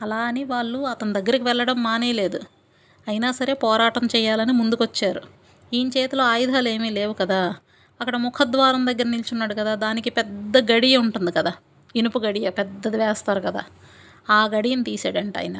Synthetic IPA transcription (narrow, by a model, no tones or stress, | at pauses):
ɐlaːniʋaːɭːuɐt̪ɐnud̪ɐɡːɐɾikiʋɛɭːɐɽɐmːaːneːle̞ːd̪u | ɐjinaːsɐɾe̞ːpɔːɾaːʈɐmt͡ʃɛːjaːlɐnimund̪ukʋɐt͡ʃːaːɾu | iːnt͡ʃeːt̪iloːaːjd̪ʱaːle̞ːmiːle̞ːʋukɐd̪aː | ɐkːɐɽɐmukʰɐd̪ʋaːɾɐmd̪ɐɡːɐɾɐnilt͡ʃunːaːɽukɐd̪aːd̪aːnikipɛd̪ːɐɡɐɽijɐuɳʈund̪ikɐd̪aː | inupuɡɐɽijɐpɛd̪ːɐd̪iʋɛːst̪aːɾukɐd̪a̰ː | aːɡɐɽijɐnt̪iːsḛːɽɐɳʈɐ̰jnɐ̰